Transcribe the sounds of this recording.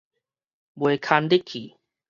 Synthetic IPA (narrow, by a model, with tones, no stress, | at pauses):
bo˨ekʰa˧nd̪e˦kʰːi˨